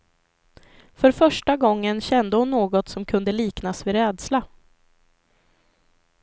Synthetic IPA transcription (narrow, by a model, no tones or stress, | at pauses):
fœɾfœʂʈaɡɔŋːənɕɛnd̪əhʊnːoːɡɔt̪sɔmkʰɵnd̪əliːknasvɪɾɛːd̪sla